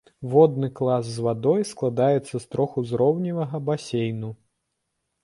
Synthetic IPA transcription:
vɔd̪nɨklˠasːvad̪ɔjsklˠad̪ajɛt̪sːɐst̪ɾɔxuzɾɔwnʲivɐɣɐbasʲejnu

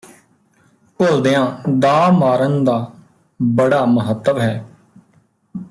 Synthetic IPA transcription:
koːld̪eːãːd̪aːmaːɾənd̪aː | bəɽaːməɦət̪ːəbɦɛː

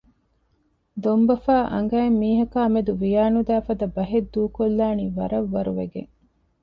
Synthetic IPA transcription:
d̪ombɐfaːʔɐ̰ŋɡɐemːiːɦɐkaːmed̪uʋijaːnud̪æːfɐd̪ɐbɐɦed̪ːuːkolːaːniːʋɐɾɐʋːɐɾuʋeɡḛŋ

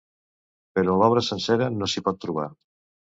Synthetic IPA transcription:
peɾɔlɔβ̞ɾəsənsɛɾənosipɔt̪ːɾuβ̞a̰ɾ

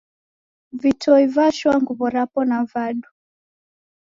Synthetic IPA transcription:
vitɔivaʃwaŋɡuβɔɾapɔnavaɗu

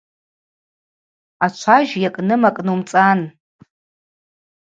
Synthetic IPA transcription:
at͡ʃʷʰaʒjakʼnɨmakʼnumt͡sʼan

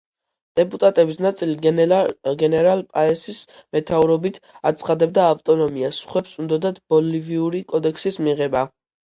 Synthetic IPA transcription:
d̪̥ɛpʼut̪ʼat̪ʼɛbisnat̪sʼili | ɡɛnɛɾalpʼaɛsismɛt̪ʰauɾɔbit̪ʰat̪sʰχad̪ɛb̚d̪aːft̪ʼɔnɔmiasχwɛpsund̪ɔd̪ad̪bɔliviuɾikʼɔd̪ɛkʰsismiʁɛba

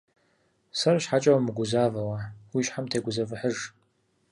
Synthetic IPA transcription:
sɐraʃħat͡ʃʼɐwamɨɡʷʊzaːvɐwawiʃħamtʰeːɡʷʊzɐvɨħəʐ

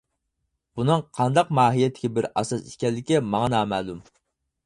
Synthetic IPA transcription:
b̥unɨŋqʰɑnd̪ɑqmɑːɦijɛt̪ʰːɪ̥kʲɪbɪɾɑ̰sɑsikʲɛlːɪkʲimɑŋɑnɑːmæːlˠum

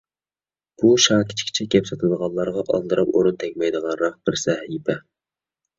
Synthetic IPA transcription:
b̥uʃɑːkʲʰi̥t͡ʃʰkʲt͡ʃʰɛkʲɛpsɨt̪ʰɨd̪əʁɑnlːˠɑɾʁɑʔɑlˠd̪ɨɾɑpoɾunt̪ʰɛkʲmɛjd̪əʁɑnɾɑq̚b̥ɪɾsɛhipʰɛ

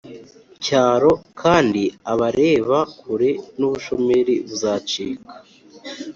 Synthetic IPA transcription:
caːɾo̞kʰaːndiaβaɾe̞ːβakʰuɾe̞nuβuʃo̞me̞ɾiβuzaːt͡ʃiːkḁ

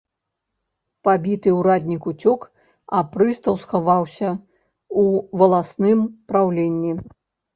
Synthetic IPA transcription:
pabʲit̪ɨuɾad̪ʲnʲikut͡sʲɔk | apɾɨst̪ɐwsxavawsʲɐ | uvɐlˠasnɨmpɾawlʲenʲːi

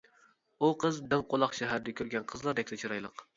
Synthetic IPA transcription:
uqʰəzd̪ɪmqolˠɑχʃæɦæɾd̪ɛkʲʰøɾɡʲɛnqʰəzlˠɑɾd̪ɛkʲt̪ɛt͡ʃʰoɾɑjlˠəq

